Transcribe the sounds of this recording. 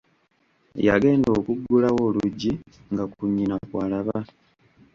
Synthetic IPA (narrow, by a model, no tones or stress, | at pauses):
ja̰ɡe̞ːndo̞ːkuɡulawo̞ːluɟːi | ŋɡakuɲːinakwaːlaβa